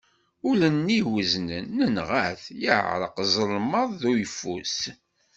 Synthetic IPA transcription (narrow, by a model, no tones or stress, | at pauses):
ʊlənːiwəznənːənʁæθjə̰ʕʕɾˤə̰qzˤəlməðˤðujəfːṵs